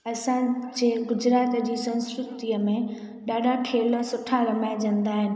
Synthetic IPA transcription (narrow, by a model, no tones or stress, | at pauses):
ɐsãd͡ʑeːɡʊd͡ʑɾaːt̪d͡ʑiːsɐ̃nskɾʊt̪iəmẽ | ɗaːɗʱaʈʰeːləsʊʈʰaɾɐmaːɪd͡ʑɐ̃nd̪aːɦɪnɪ̆